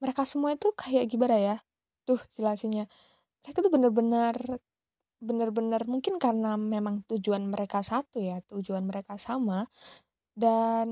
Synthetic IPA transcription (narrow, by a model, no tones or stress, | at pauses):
məɾekasəmuait̪ukajaʔɡibəɾaja | t̪ʊhsəlasiɲa | məɾekat̪ubənərbənər | bənərbənərmuŋkɪnkaɾənamemaŋt̪ud͡ʒuanməɾekasat̪ujat̪ud͡ʒuanməɾekasama | dan